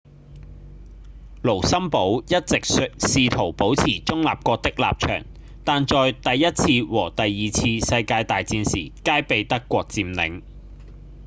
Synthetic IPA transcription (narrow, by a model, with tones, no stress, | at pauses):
lo˨˩wsɐ˥mpo˨˥wjɐ˥t̚t͡sɪ˨k̚s̚siː˧t̪ʰo˨˩wpo˨˥wt͡sʰiː˨˩t͡ʃʊ˥ŋla̰ː˨p̚kʷɔː˧k̚t̪ɪ˥k̚la̰ː˨p̚t͡ʃʰœ̰ː˨˩ŋ | t̪aː˨nt͡ʃɔː˨jt̪ɐ˨jːɐ˥t̚t͡sʰiː˧wɔː˨˩t̪ɐ˨jːiː˨˩t͡sʰiː˧sɐ˧jkaː˧jt̪aː˨jt͡siː˧nsḭː˨˩kaː˥jpe˨˧jt̪ɐ˥kʷːɔː˧k̚t͡siː˧mnɪ̰˨˥ŋ